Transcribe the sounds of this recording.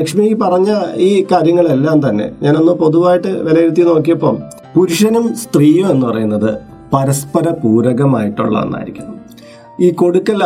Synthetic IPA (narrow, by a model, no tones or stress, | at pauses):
ɐkʂmikːipɐrɐɲːaiːkaːɾjɐŋːɐɭe̞lːaːmt̪ɐnːe̞̰ɲaːno̞nːɨpo̞ðuʋaːjiʈːɨʋelɐjiɾut̪̬ːino̞ːk̬ːijɐpːoːm | puɾuʂɐnumst̪riːjoːe̞nːɨpɐrɐ̰junːɐðɨ | pɐɾɐspɐɾɐpuːɾɐɣɐmaːjiʈːṵɭːɐ̰ɐ̰nːa̰ːjḭɾikʲːuɳːɐm | iːko̞ɽukːɐl